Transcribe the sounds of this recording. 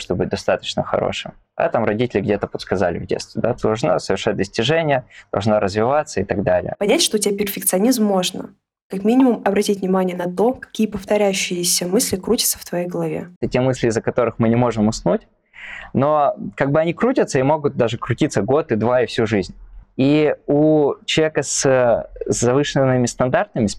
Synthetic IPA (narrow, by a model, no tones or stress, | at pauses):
ʂt̪obɨt̚ʲd̪ɐst̪at̪ət͡ɕnəxɐ̰ɾo̰ʂɨ̰m | a̰t̪amɾɐdʲitʲɪlʲɪɡdʲet̪əpət̪skɐzalʲɪ̰vdʲet̪st̪vʲɪd̪ad̪d̪ɐlˠʐno̰səvʲɪrʂat̚ʲd̪əsʲtʲɪʐɛnʲɪjəd̪̥ɐlˠʐnoɾəzvʲɪvat̪səɪt̪ɐɡd̪alʲɪ̰jə̰pɐnʲætʲʂt̪otʲɪbʲapʲɪrfʲɪk̚t̪sɨɐnʲizmːo̞ʐnə̰ | kɐkmʲinʲɪmʊmɐbɾɐtʲitʲvʲnʲɪmanʲɪjənɐt̪o̞kɐ̥kʲijəpəft̪ɐɾʲæjʉɕːɪjɪsʲəmɨsʲlʲɪkɾutʲɪ̥t̪sə̥ft̪vɐjejɡəlˠɐvʲḛətʲemɨsʲlʲɪːzːəkɐt̪o̞ɾɨxmɨnʲɪmo̞ʐɨmʊsnutʲ | no̞kaɡ̚bɨɐnʲikɾutʲət̪səimo̞ɡʊt̪̚d̪aʐɨkɾʊtʲit̪səɡo̞t̪ɨd̪vaɪfsʲuʐɨzʲnʲiut͡ɕɪlˠəvʲekəsəzɐvɨʂənːɨmʲɪst̪ɐnd̪art̪nəmʲɪs